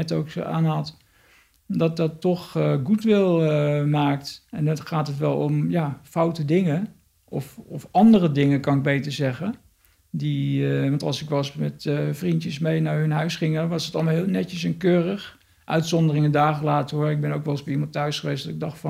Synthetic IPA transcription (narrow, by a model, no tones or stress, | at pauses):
ɛtowkso̰ʔa̰ːnɦɑt | dɑt̚dɑtːɔχɡutʋɪlˠəmaːktɛnɔχaːtɦətʋɛlˠɔmjaːfawtədɪŋə | ʔɔfɔfɑndərədɪŋəkɑnɪɡ̚bejtəɹzɛχə | diʋɑntɑlˠsɪkʋɑlˠsmɛtvrintjəsmejnaɹɵnɦœɥsχɪŋnʋɑsətɑlˠmalˠɦɪːlˠnɛtəsənkøːrəχ | ʔœ̰ɥtsɔndərɪŋədaːχəlaːtəɦoɹɪɡ̚bɛnowkʋɛlˠsbimɑ̃nˠtœɥsχəʋejsdɔtɪɡ̚dɑχtfɑ